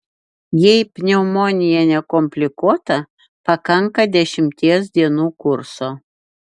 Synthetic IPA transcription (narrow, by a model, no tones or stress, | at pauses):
jejpʲnʲɛumonʲɪjænʲɛkomʲpʲlʲɪkuɔt̪ɑ | pɑkɑŋkɑd̪ʲæʃʲɪmʲt̪ʲeːs̬d̪ʲiɛnuːkurso